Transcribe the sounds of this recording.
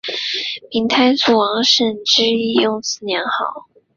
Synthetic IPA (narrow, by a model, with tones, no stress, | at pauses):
pʰi˧˥ŋt̪ʰa˥ɪsu˥˩wɑ˧˥ŋʂə˥˩nʈ͡ʂɻ̩˥i˥˧jʊ˥˧ŋsɹ̩˥˩njɛ˧˥nxɑ˨˩˦ʊ